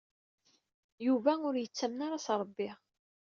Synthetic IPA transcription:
juvæʊɾjət͡sːæmnaɾasɾˤəbːɪʁ

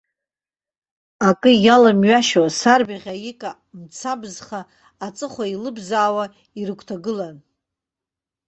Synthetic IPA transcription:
akʼɨjalamɥaʃasarbaʁʲajikʼa | mt͡sʰabzχaː | t͡sʼɨχʷailɨbzaːwa | irɨkʷʰtʰaɡɨlan

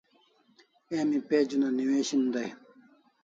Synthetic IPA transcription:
eːmipeːd͡ʑunaniweːɕind̪ɐj

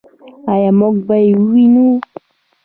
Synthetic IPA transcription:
ajamɔk̚baiinu

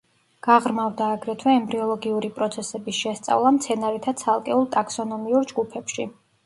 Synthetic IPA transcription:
ɡ̥aʁɾmavd̪aːɡɾɛt̪ʰwɛɛmbɾiɔlˠɔɡiuɾipʼɾɔt̪sʰɛsɛbisʃɛst̪sʼa̰vlˠamt̪sʰɛnaɾit̪ʰat̪sʰalˠkʼɛulˠt̪ʼaksɔnɔmiuɾd͡ʒɡupʰɛpʃi

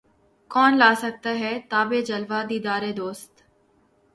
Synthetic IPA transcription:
kɔːnlaːsək̚t̪aːɦɛːt̪aːbeːd͡ʒəlʋaːd̪iːd̪aːɾeːd̪oːst̪

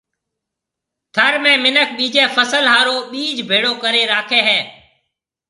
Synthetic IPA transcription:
t̪ʰəɾmẽːmɪnəkʰɓiːd͡ʒeːpʰəsəlɦaːɾoːɓiːd͡ʒbʱeːɽoːkəɾeːɾaːkʰeːɦɛː

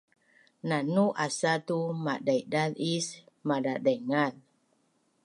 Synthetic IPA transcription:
nanuʔasat̪umaʔdajdalis | madaʔdaŋal

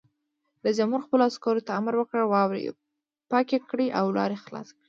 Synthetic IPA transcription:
d̪əd͡ʒamhuɾxpəloaskɑɾot̪aamaɾwəkəɽwɑwɾḭ | pɑkekɽiʔawlɑ̰ɾexlɑ̰skɽi

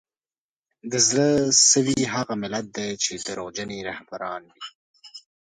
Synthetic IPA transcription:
d̪əzləsəwiɦaɣamɪlat̪̚d̪et͡ʃed̪əɾod͡ʒaniɾahbaɾɑːnwi

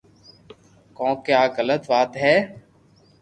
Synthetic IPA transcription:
kɔ̃ːkjaːɡələt̪ʋaːt̪ɦɛː

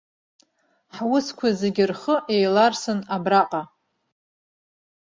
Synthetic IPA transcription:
ħawʊskʷʰazeɡʲɪrχəʔejlarsɨnabraqʼa

